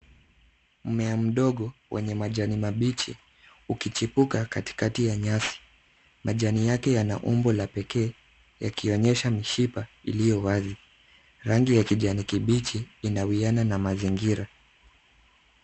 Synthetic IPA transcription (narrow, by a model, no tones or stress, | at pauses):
m̩mɛam̩ɗɔɠɔwʔɛ̰ɲɛmaʄanimaɓit͡ʃḭ | ukit͡ʃipukakati̥katijaɲasi̥ | maʄanijakɛjana̰ʔumbɔlapɛkɛː | ja̰kiɔɲɛʃamiʃipaḭlijɔwazi | ɾaŋɡijakiʄanikiɓit͡ʃiːnawiananamaziŋɡiɾa